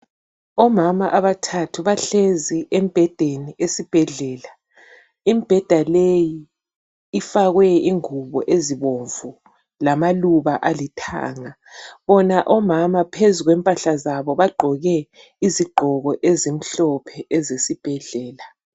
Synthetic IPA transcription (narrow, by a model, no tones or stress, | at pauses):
ɔmamaʔaβatʰatʰuβaɬeziʔem̩b̥ʱɛd̥ʱeniʔesib̥ʱɛɮɛːla | imb̥ʱɛd̥ʱalejiː | faɣwɛiŋuβɔ̰ʔeziβoɱvu | lamaluβaʔalitʰa̰ːŋa | βɔnaʔɔmamapʰezuɣwɛmpʼaɬazaβɔβaɡ͡ǃʱɔɣɛ | iziɡ͡ǃʱɔɣɔʔezem̩ɬɔpʰɛʔɛzesib̥ʱɛɮɛːla